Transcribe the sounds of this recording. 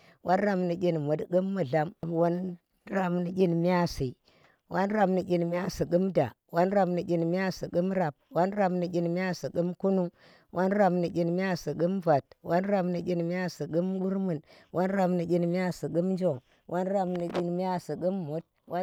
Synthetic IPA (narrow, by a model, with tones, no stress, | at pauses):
wʔa˦nɾa˦mni˨ɡʲi˦nmu˨dɡɨ˦mːu˨ɮa˨m˨wa˦n | ɾa˦mni˨ɡʲi˦nmi˦a˦si˨ | wʔa˦nɾa˨mni˨ɡʲi˨nmi˦a˦si˨ɡu˦mda˨ | wa˦nɾa˨mni˨ɡʲi˨nmʲ˦a˦si˨ɡɨ˦mɾa˨b̚wa˦nɾa˨bni˨kʲi˦nmi˦a˦si˨ki˦mku˦nu˦ŋ | wʔa˦nɾa˨mni˨kʲi˦nmi˦a˦si˨ɡɨ˦mva˨t̚wa˦nɾa˨mni˨kʲi˦nmi˦a˦si˨ɡɨ˦mɓu˦ɾmu˨nwʔa˦nɾa˨bni˨ɡʲi˦nmi˦a˦si˨ɡu˦mn˦d͡ʒo˦˨ŋ | wʔa˦nɾa˦mni˨kʲi˦˨nmʲ˦a˦si˨ɡu˦mːo˨˦t̚ | wa˦